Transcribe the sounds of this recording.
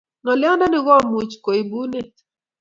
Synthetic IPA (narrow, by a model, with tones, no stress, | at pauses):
ŋɔ˨lɪ˦ɔ˦na˦nɪ˦ɣɔ˦mu˨t͡ʃko˨i˨bu˦ne˦